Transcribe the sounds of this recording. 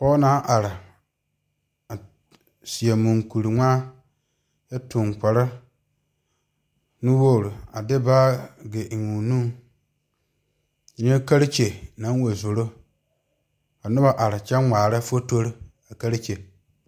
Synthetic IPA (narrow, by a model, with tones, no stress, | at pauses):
pɔː˦naː˨˦ʔa˨ɾɪ˨ | a˨ | si˨a˨mũ˨ŋku˨ɾi˨ŋʷaː˦ | jɛ˦tʊ˨ŋka˨ɾa˦ | nu˦wo˦˨ɾu˨a˨dɪ˦baː˦ɡe˨ʔŋũ˨nũ˦ŋ˨ | ɲɛ˦ka˦ɾi˦t͡ʃe˨nã˨˦wo˨zo˨ɾo˦ | a˨nʊ˦ba˨ʔa˨ɾɪ˨t͡ʃɛ˦ŋʷaː˨ɾɛ˦fo˦to˦ɾi˦ | a˨ka˦ɾi˦t͡ʃe˨